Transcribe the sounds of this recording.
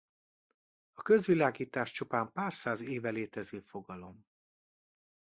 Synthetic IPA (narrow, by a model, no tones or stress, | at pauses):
ɒkø̞zʋilaːɡiːt̪aːʃt͡ʃupaːmpaːrsaːzeːvɛleːt̪ɛzøːfo̞ɡɒlo̞m